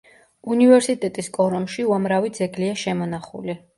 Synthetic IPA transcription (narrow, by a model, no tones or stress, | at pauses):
univɛɾsit̪ʼɛt̪ʼiskʼɔɾɔnʃiuamɾavid̪zɛɡliaʃɛmɔnaχṵli